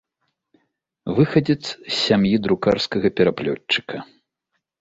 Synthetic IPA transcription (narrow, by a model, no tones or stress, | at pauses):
vɨxɐd͡zʲɛt̪ssʲsʲamjid̪ɾukarskɐɣɐpʲɛɾaplʲɔtːɨ̥kɐ